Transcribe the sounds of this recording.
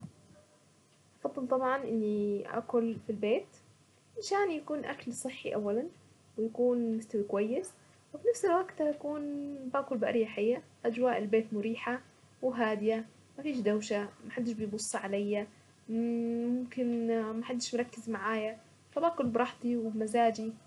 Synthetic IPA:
ʔɑfɑðˤːɨlt̪ˤɑbʕɑnʔɪnːiʔa̰kʊlfilbeːt̪ | ɪʃaːnjakuːnʔa̰klsˤɨħːiʔawːalan | wɪjakuːnmʊst̪awikwajːɪs | wɪfinafsɪlwaɡt̪haʔakuːnbaːkʊlbɪʔaɾjaħajːa | ʔad͡ʒwaːʔɪlbeːt̪mʊɾiːħa | wɦaːd̪ɪja | mafiːʃd̪awʃamaħad̪ːɪʃbɪjbʊsˤːɑʕalajːa | mʊmkɪnmaħad̪ːɪʃmʊɾˤɑkːɪzmaʕaːja | fabaːkʊlbɾˤɑħt̪ˤiwɪmazaːd͡ʒi

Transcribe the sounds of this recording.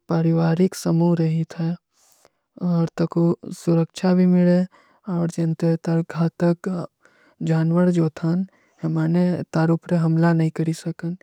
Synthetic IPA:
pəɾɪʋaːɾɪksəmuɾɐɦit̪ʰɛ | ɔːɾt̪ɐkosʊɾəkʃʰabʱimɪɭe | ɔːɾd͡ʒent̪et̪ɐɾɡʱaːt̪ək | d͡ʒaːnʋəɽd͡ʒoːt̪ʰaːn | hemaːnet̪aːɾupʰɾeɦɐmlanɐɦĩkɐɾisɐkən

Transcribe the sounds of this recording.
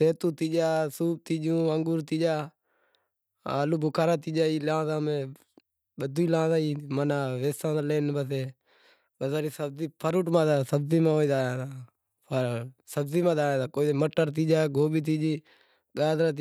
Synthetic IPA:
seːt̪ũːt̪iːd͡ʒaːsuːp̚t̪iːd͡ʒũːəŋɡuːɾt̪iːd͡ʒaː | aːluːbʱʊkʰaːɾãːt̪iːd͡ʒaːiːlãːzãːmẽː | ɓəd̪uiːlãːzaːiːmanaːʋeːsãːaːleːnbəseː | ɓəzaːɾiːsəbziːpʰəɾuːʈmãːt̪aːsəbziːmãːoːiːd̪aːãːt̪aː | pʰəɾsəbziːmãːd̪aːãːt̪aːkoːieːməʈːəɾt̪̬iːd͡ʒaːɡʱoːɓiːt̪̬iːd͡ʒiː | ɠaːd̪ɾãːt̪

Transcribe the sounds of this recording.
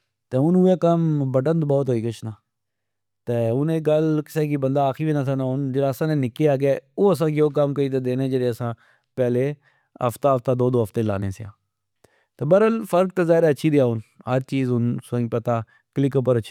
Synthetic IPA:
t̪eːʊnʊeːkəmbəʈənd̪bɔːt̪ɦoːiːkət͡ʃʰnaː | t̪eːʊnẽːɡəlkɪ̥seːkiːbənd̪aːkʰiʋiːnat̪ʰaːnaːʊnd͡ʒəɽaːsãːnẽːnɪkeaːɡeːoːəs̬ãːkjoːk̬əmkəiːt̪̬eːd̪eːnẽːd͡ʒəɽeːəsãː | pɛːleː | ə̰ft̪aːɦəft̪aːd̪oːd̪oːɦəft̪eːla̰ːnḛːseã̰ː | t̪eːbəɾəlfəɾk̚t̪eːzaːɪɾaːətːʃʰiːd̪eaːʊnɦəɾt͡ʃiːzʊnsə̃ŋpət̪aː | klɪkəpəɾət͡ʃʰː

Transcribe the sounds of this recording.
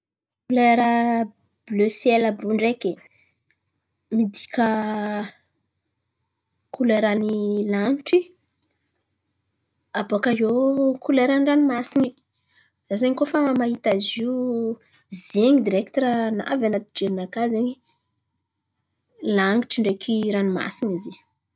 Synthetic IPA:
kuleɾə | b̥løseləbuɳɖ͡ʐeke | mid̪ikʲə | kuleɾanilaŋiʈ͡ʂi | abokaɦokuleɾanranimasini | zazeɲŋikofamaɦit̪aziu | zeŋid̪iɾekt̪ɾana̰vanat̪id͡ʒeminakazeɲi | laŋɡiʈ͡ʂiɳɖ͡ʐekʰiɾanima̰sinize

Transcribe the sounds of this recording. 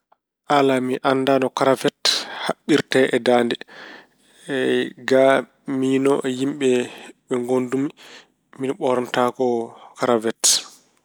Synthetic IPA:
ʔalamiʔanːdanɔkaɾavɛthaɓːiɾtɛʔɛdandɛ | ɡa | minɔʔjimɓɛɓɛŋɡondumi | minɓɔɾɔntakɔkaɾavɛt

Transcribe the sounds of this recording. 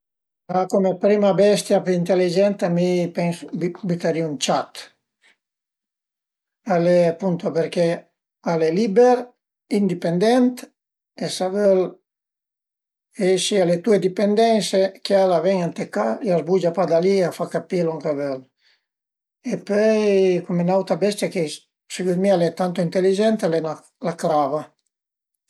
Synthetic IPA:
akomepɾimabɛst̪japeint̪elid͡ʒɛnt̪amipɛŋsbbit̪aɾiunt͡ʃat̪ | alepunt̪oapeɾke | alelibɛɾ | ind̪ipend̪ɛnt̪ | esavøl | ɛʃialet̪ued̪ipend̪ɛnsekealavɛɲant̪ekajazbud͡ʒapad̪aliafakapiluŋkavøl | epœjkumenawt̪ɾabɛst̪jake | sekut̪mialɛt̪ant̪oint̪elid͡ʒɛnt̪alena | lakɾava

